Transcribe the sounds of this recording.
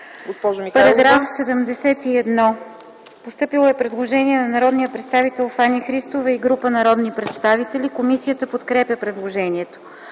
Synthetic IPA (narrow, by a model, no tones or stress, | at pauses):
ɡospɔʒomipɐɾɐɡɾafsɛd̪əmd̪ɛsɛt̪iɛd̪nɔ | post̪ɤpilˠoɛpɾɛd̪lˠoʒɛniɛnɐnɐɾɔd̪nijəpɾɛt̪st̪avit̪ɛlˠfanʲixɾist̪ovəiɡɾupənɐɾɔd̪nipɾɛt̪st̪avit̪ɛlʲikomisijət̪əpot̪kɾɛpʲjəpɾɛd̪lˠoʒɛniɛt̪o̥